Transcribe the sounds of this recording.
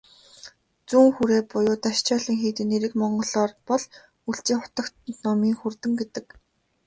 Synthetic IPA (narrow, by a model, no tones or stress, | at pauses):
t͡suːŋxuɾeːpʊjʊːt̪aʃt͡ɕɔːɮĭːŋxiːt̪ɘ̆neɾɘ̆kmɔɴɢɞ̆ɮɔːrpɔɮ | uɬt͡ɕiːŋχʊ̥t̪ə̆kt̪̚nɔmiːŋxurt̪ɘ̆mɡet̪ɘ̆k